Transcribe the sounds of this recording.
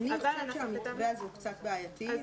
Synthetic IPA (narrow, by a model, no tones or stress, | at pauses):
niteʃeamikveazukt͡satbeajati